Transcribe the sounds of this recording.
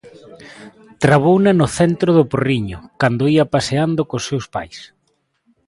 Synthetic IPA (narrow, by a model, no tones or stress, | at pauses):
t̪ɾaβownanʊθɛnt̪ɾoðʊporiɲʊkand̪oiapaseand̪okosːewspa̰js